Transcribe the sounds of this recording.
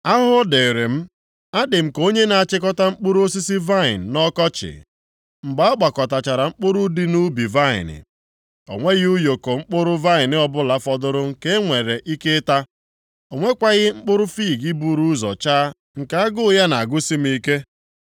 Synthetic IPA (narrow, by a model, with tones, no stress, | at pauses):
a˦ɦʊ˦de˨ɾɪ˨m̩˦ | a˦dɪ˨m̩˨ko˦ɲe˦na˨a˨t͡ʃɪ˦k̬ɔ˦ta˦ŋ͡m̩˦k͡pʊ˦ɾu˦o˦s̬i˦si˦va˦˨ɪ̰˨n̩˨nɔ˦kɔ˦t͡ʃɪ̰˨ | ŋ͡m̩˨ɡ͡ba˨˦a˦k͡pa˨kɔ˨ta˨t͡ʃa˨ɾa˨ŋ͡m̩˦k͡pʊ˦ɾʊ˦di˦nu˦bi˨va˦˨ɪ̰˨nɪ̰˨ | o̰˨ŋʷe˦ɣu˦jo˨ko˨ŋ͡m̩˦k͡pʊ˦ɾʊ˦va˦˨ɪ˨nɪ˦ɔ˦bʊ˦la˦fɔ˦dʊ˦ɾʊ˦ŋ̩˦ke˦ŋʷe˨ɾe˨ʔi˦ke˦ta˦ | o˨ŋʷe˦kʷa˦ɣɪ˦ŋ͡m̩˦k͡pʊ˦ɾʊ˦fiː˦˨ɡi˦bu˦ɾu˦zɔ̰˨t͡ʃa˦ | ŋ̩˨ka˨a˦ɡʊ˦ja˦na˨a˨ɡʊ˦si˦m̩˦i˦ke˦